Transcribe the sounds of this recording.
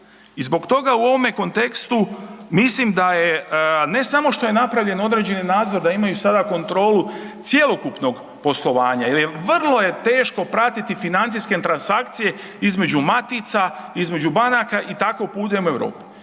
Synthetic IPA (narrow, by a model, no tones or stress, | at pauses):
izbo̞kt̪o̞ɡauo̞ʋo̞me̞ko̞nt̪e̞kst̪umislimd̪ajene̞samo̞ʃt̪o̞je̞napɾaʋʎe̞no̞d̪ɾe̞ːd͡ʑe̞ninaːd̪zo̞ɾd̪aimajusad̪ako̞nt̪ɾo̞ːlut̪sje̞lˠo̞kupno̞ɡ | po̞slˠo̞ʋaːɲajelje̞ʋr̩lˠo̞je̞t̪e̞ːʃko̞pɾat̪it̪ifinant̪ijske̞t̪ɾansakt̪sije̞ | izme̞d͡ʑumat̪it̪saizme̞d͡ʒubanakaʔit̪ako̞puːt̪emue̞ʋɾo̰ːpi̥